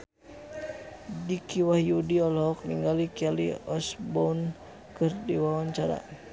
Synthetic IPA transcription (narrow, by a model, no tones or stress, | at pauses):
dikʰiwahjudiɔlɔɦɔk̚niŋɡalikalḭɔsbɔun | kɨrdiwawaɲt͡ʃaɾa̰